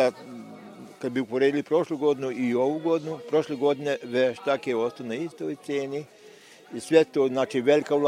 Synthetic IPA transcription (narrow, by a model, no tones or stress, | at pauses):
a | kad̪biupoɾed̪ilipɾo̞ʃluɡo̞d̪inuioʋuɡo̞d̪inupɾo̞ʃleɡo̞d̪ineʋeʃt̪akieost̪onaist̪ojt̪seːni | isʋet̪oːznaːt͡ʃiʋelikaul